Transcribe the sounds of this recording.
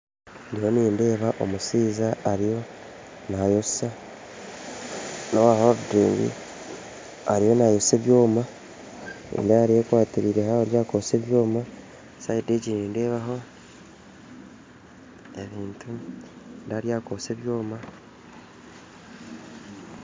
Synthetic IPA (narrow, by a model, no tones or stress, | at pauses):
ndiho̞niːnde̞ːβaʔomusiːzaaɾijo̞ | najoa | nowahoβudiːŋɡḭ | aɾijo̞najoseβjo̞ːma | nḭndajaɾiekwaːtiɾiːɾe̞haoɾjaːkoseβjo̞ːma | saided͡ʒiniːnde̞ːβaɦo̞ | e̞βiːntu | ndaɾjaːkoseβjo̞ːma